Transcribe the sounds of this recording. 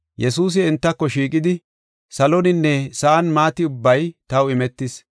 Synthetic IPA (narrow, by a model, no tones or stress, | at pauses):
jɛsuːs̬ɪɛnt̪ːɐkːɔʃiːkʼɪd̪ɪ | sɐlɔnɪnːɛsɐʔɐnmaːt̪ɪʊbːɐjt̪ɐwɪmɛt̪ːɪs